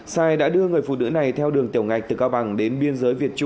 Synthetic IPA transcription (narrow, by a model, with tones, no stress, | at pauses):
saː˧˩jɗa̰ː˧˥ɗɨ˧əŋɨ˨˩əjfṵ˧˨˩nɨ̰˧˥na˨˩jt̪ʰɛ˧wɗɨ˨˩əŋt̪i˧˩əwŋ͡mŋa˨˩jk̚t̪ɨ˨˩kaː˧wɓa˧˩ŋɗe˨˦nɓi˧ənzəː˨˦jvi˨˩ət̚t͡ɕʊ˧ŋ͡m